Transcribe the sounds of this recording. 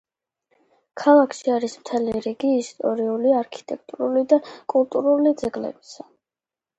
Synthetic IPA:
kʰalˠakʰʃiaɾismt̪ʰɛliɾiɡiːst̪ʼɔɾiuliaɾkʰi̥t̪ʼɛk̚ʰt̪ʼuɾulid̪akʼulˠt̪ʼuɾulid̪zɛɡlɛ̰bi̥sa

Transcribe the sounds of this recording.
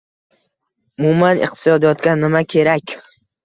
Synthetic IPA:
ʊmumanḭqt̪ʰɪsɒd̪ijɒt̪kʲanːɪmakʲʰe̞ɾakʲ

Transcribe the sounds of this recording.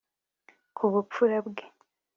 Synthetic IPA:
kʰuβupfuɾabɡe

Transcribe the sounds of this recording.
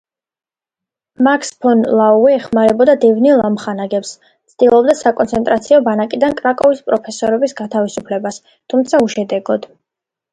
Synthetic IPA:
makʰspʰɔnlˠauɛːχmaɾɛbɔd̪ad̪ɛvnilˠamχanaɡɛps | t̪sʰd̪ilˠɔbd̪asakʼɔnt̪sʰɛnt̪ʼɾat̪sʰiɔbanakʼid̪ankʼɾakʼɔvispʼɾɔpʰɛsɔɾɛbisɡat̪ʰavisupʰlɛbas | t̪ʰumt̪sʰauʃɛd̪ɛɡɔd̪̥

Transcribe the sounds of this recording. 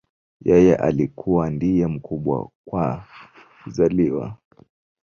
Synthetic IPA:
jɛjɛʔa̰likʰuwandijɛm̩kʰuɓwa̰kwa | uzaliwa̰

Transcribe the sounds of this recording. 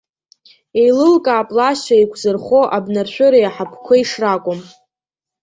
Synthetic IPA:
ejlɨlkʼaːpʼlaʃaikʷʰzɨrχoʔabnarʃʷᶣʊɾajaħapʰkʷʰaiʂrakʷʼʊm

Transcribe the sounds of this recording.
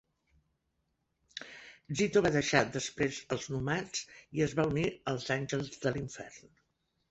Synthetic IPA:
zit̪oβaðəʃad̪əspɾezəlˠznumat͡siəzβauniəlˠzanʲʒəlˠzðəliɱfɛ̰rn

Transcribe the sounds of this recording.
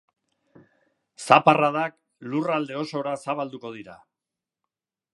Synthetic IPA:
saparaðak | lurald̪e̞o̞so̞ɾasaβald̪uko̞ð̞iɾa̰

